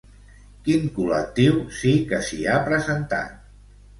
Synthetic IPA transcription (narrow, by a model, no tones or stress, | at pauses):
kiŋkulək̚t̪iwsikəsiapɾəzənt̪a̰t̪